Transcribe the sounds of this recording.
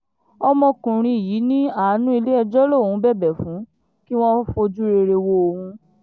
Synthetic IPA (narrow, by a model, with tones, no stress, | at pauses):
ɔ˧mɔ̃˧kũ˨ɾ̃ĩ˧˨jiː˨˦nĩ˦a˦˨˦nũ˦i˧le˦ɛ˧d͡ʒɔ˦lo˦˨hũ˨˧˦bɛ˦˨bɛ˨fũ˨˦ | ki˦w̃ɔ̃˦fo˧d͡ʒu˦ɾe˧ɾe˧wo˧o˧hũ˧